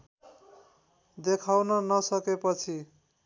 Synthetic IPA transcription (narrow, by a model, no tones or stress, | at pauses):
d̪ekʰawnʌnʌsʌkepʌt͡sʰi